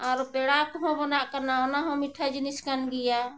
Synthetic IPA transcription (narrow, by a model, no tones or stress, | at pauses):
aɾpeɽakɦõbənaʔkənaonaɦɔ̃miʈʰad͡ʒiniskanɡija